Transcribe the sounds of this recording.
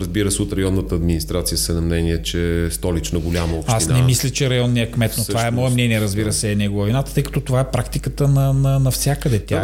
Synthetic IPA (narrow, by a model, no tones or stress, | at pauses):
ɾɐzbiɾəsɛot̪ɾɐjɔnːət̪əːd̪minist̪ɾat̪sijəsɛnɐmnɛniɛt͡ʃɛst̪ɔlit͡ʃnoɡʊlʲamɐofasinnɛmislʲɐt͡ʃɛɾɐjɔnːijəkmɛt̪not̪ovaɛmmɔɛmnɛniɛɾɐzbiɾəsɛnɛɡoɐvinat̪ə̥t̪ɤjkɐ̥t̪ɔt̪ovaɛpɾakt̪ikət̪ənɐnɐnɐfsʲjakəd̪ɛt̪ʲja